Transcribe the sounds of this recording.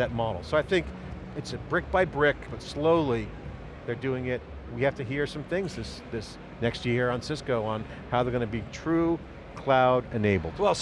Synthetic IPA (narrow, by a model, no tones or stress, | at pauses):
ðɨt̚mɑɾl̩ˠsoʊaɪθɪ̃ŋk | ɨtsɨbɹɪk̚b̥aɪbɹɪk̚b̥ʌtsloʊlˠi | ðə˞dʉɪ̃ŋɪt̚ | wihæftɨɦiɹsʌ̃mθɪ̃ŋzðɪs | ðɪs | nɛkst̚jɪɹə̃nsɪskoʊə̃n | haʊðə˞ɡʌnɨbitʰɹ̥ʉ | kʰl̥aʊɾɨneɪbl̩ˠd̥wɛlˠ